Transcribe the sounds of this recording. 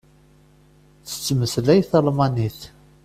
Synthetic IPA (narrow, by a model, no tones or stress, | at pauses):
θə̥t͡sːməslæjθəlmɑniθ